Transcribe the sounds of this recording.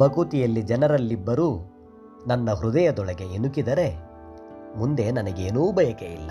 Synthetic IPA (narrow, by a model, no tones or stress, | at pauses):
bɐɡut̪ijɐlːid͡ʒɛnɐɾɐlːibːɐɾu | nɐnːɐɦɾud̪ɐjɐd̪ɔɭɐɡe̞inukid̪ɐɾe̞ | mund̪e̞nɐnɐɡeːnuːbʱɐjɐkeilːɐ